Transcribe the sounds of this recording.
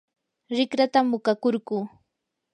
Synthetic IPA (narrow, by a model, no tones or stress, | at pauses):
ɾɪkɾat̪amːʊkakʊɾɢuː